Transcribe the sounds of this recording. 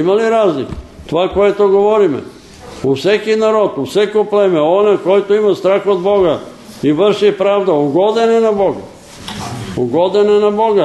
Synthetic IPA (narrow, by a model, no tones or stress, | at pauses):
imaliɾaːznikt̪ʋakojet̪oɡoʋoɾimḛ | usekinaɾot̪usekupleːmeonakojit̪uimast̪ɾaxod̪boɡa | iʋr̩ʃipɾaːʋd̪auɡod̪enenaboɡa̰ | uɡod̪enenaboɡa